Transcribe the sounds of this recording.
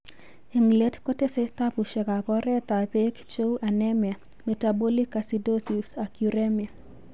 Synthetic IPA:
i˨ŋle˦tko˦te˦se˦t̪a˦pu˨ʃɛ˨ka˨pɔ˦ɾɛ˦t̪a˨pe˦kt͡ʃo˦u˦ʔa˨nɛ˦mja˨ | me˨tabo˦li˦ka˨si˨do˦si˨sa˨kuɾe˦mi˨a˨

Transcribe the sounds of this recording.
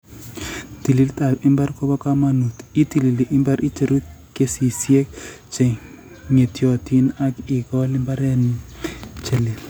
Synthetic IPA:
ti˨li˨lta˨ɪ˦mba˦rkɔ˦bɔ˦ka˦ma˨nu˨ti˦ti˨li˨li˨ʔɪ˦mba˦ɾʔi˦t͡ʃe˦ɾu˦t̪̚ke˦si˨sje˦k | t͡ʃe˨ | ŋe˨tjɔ˨ti˦na˦kɪ˨kɔ˦lɪ˦mba˦ɾɛ˦ni˦t͡ʃe˨li˨

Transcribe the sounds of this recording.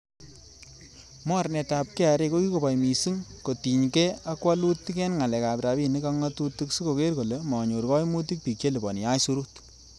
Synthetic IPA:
mɔ˦ɾnɛ˨ta˨p̚kɛ˦a˨ɾe˧ko˦ki˦ko˨pa˨jmi˨si˦ŋko˨ti˨ɲkɛ˦a˦kwa˦lu˦tːi˦kɛ˦nŋa˨lɛ˨ka˨pɾa˨bi˦ni˦ka˦ŋa˦tu˦ti˦ksi˦ko˨ke˦rko˨le˨˦mɔ˨ɲo˨ɾkɔ˦jmu˦t̬i˦k̚pi˨kt͡ʃe˦li˨bɔ̰˨ni˨ja˦jsu˦ɾu˦t

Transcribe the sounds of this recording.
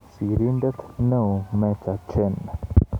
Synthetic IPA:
si˨ɾi˦nd̪e˦t̪nə̃˦˨mẽ˧ka˨t͡ʃe˧na˨

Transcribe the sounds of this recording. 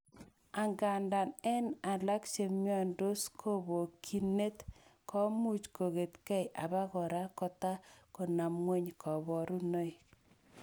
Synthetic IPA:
a˨ŋɡa˨nda˨nɛ˦na˨la˦kt͡ʃe˨mjɔ˦˨ndo˦skʰo˦bo˨kʰi˨ne˦tkɔ˦mu˦˨t͡ʃko˨ɣe˨t̪ka˦jʔa̰˨ba˦ɣɔ˨ɾa˦kɔ˦ta˦ko˨na˨mŋe˦ɲkʰɔ˨bɔ˨ɾu˦no˦j

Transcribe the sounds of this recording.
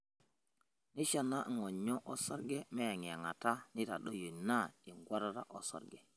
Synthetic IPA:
ni˦ʃa˨na˦ʔŋo˨ɲo˦ʔo˦so˦ɾɡe˦me˦ja˨ŋ˨a˨ŋa˨ta˦ni˦ta˨ɗo˦ju˨na˦i˨ŋɡwa˦ɾa˦ɾa̰˦ʔo̰˨so̰˦ɾɡe˨

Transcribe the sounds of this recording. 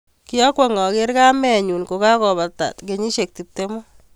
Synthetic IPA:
kɪ˦jɔ˦kwɔ˨ŋɔ˨ke˦ɾka˦mɛ˦˨ɲu˨nko˨ka˦kɔ˨βa˨ta̰˨t̪ke˨ɲi˦ʃe˨k̚ti˨p̚te˦mo˦

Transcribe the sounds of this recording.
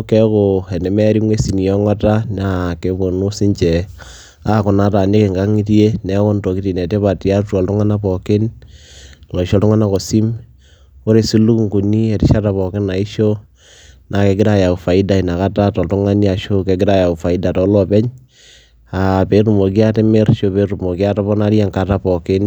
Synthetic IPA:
kɛ˦ko˨ɛ˨nɛ˨mɛ˦ɾi˦ŋwe˦si˨ni˨jɔ˦ŋa˦ta˦na˨ke˨bo˨nu˦si˦ɲt͡ʃɛ˨ | a˦kʊ˨na˦ta˨ne˦ke˨ŋɡa˦ŋi˦ti˦e˦nɛ˨˦kɔ˦ndɔ˨ki˦ti˨nɛ˨te˦βa˨ta˦tu˦ɔ˨ltʊ˦ŋa˦na˦pɔ˨ke˦n | lɔ˨ʃɔ˦ltu˦ŋa˦na˦˨ko˨si˦m | o˦ɾe˨si˦lu˦kŋɡu˨ni˦ɛ˨ti˦ʃa˦ta˨pɔ˨kɪ˦na˨i˦ʃo˦ | na˨ke˨ɡɪ˦ɾa˦ja˨u˨fa˨i˦da˨i˨na˨ka˦ta˦tɔ˨ltʊ˦ŋa˦ni˦a˨ʃo˦ke˨ɡɪ˦ɾa˦ja˨u˨fa˨i˦da˨tɔ˨˦lɔ˨pɛ˦ɲ | a˨pe˦ɾu˨mo˨k̬i˦a˦te˦me˦ɾʃo˦pe˦ɾu˨mo˨ki˦a˦ta˦βɔ˦na˦ɾja˦ŋka˨ta˦pɔ˨kɪ˦n

